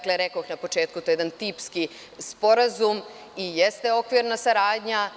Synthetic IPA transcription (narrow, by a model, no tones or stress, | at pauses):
kleɾekoixnapo̞t͡ʃe̞ːt̪̚kut̪ojed̪ant̪ipski | spo̞ɾazum | ijest̪e̞o̞kʋiɾnasaɾaːd̪ɲa